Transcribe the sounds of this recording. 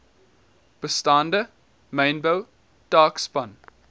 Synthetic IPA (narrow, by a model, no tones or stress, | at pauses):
b̥əstandə | mẽɪnbəw | d̥aːkspɐn